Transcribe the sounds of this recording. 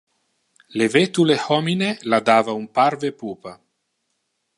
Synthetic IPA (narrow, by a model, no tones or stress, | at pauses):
levet̪ulehɔminelad̪aːvaumpaɾvepuːpa